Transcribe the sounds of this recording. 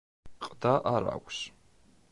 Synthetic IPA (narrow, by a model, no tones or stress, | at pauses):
qʼdaʔaɾa̰kʷʼs